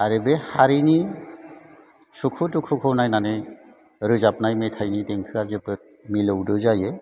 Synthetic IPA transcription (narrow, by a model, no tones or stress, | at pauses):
aɾɯbehaɾini | sukʰutukʰukʰɯwnajnanɯj | ɾɯzap̚najmetʰajnideŋkʰɯazɯpɯt̚milɯwdɯzaje